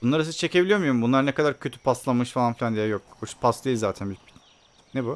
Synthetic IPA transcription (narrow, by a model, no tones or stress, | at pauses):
unˠaɾas̬izt͡ʃʰe̞cʰebilʲijo̞mujoɾumbunlˠaɾɯnekad̪aɾcʰø̞t̪ʰy̥pʰaslˠamɯʃfalˠanfilʲand̪ijɛjok̚ut͡ʃpʰaslˠɯjizaːt̪ʰænbil | nebu